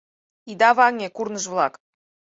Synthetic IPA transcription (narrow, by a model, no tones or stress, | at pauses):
id̪ɑβɑŋʲekurnəʃvlˠɑk